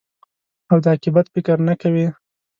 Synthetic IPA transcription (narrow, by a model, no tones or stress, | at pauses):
awd̪əakɪbat̪fɪkəɾnakawi